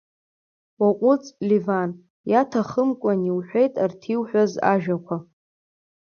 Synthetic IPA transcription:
waqʷʼʊt͡sʼlivan | jatʰaχəmkʷʼaniwħʷᶣejtʼartʰiwħʷᶣaza̰ʒᶣakʷʰa

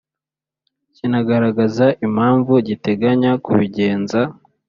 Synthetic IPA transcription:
cinaɡaɾaɡazaʔim̥haːɱvuɟite̞ɡaɲakuβiɟe̞ːnza

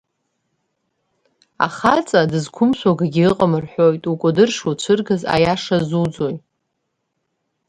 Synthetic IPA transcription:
a̰χat͡sʼadɨzkʷʰʊmsʷaɡaɡʲiɨqʼəmɨrħʷo̞jtʼukʷʼʊdɨrʂut͡ʃʷʰɨrɡaza̰jaʂazud͡zo̞j

